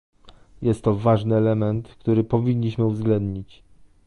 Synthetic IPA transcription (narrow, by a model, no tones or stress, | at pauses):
jɛst̪ːɔvaʐnɘɛlɛmɛnt̪kt̪uɾɘpɔvʲiɲːiɕmɘuvzɡlɛnd̪ɲit͡ɕ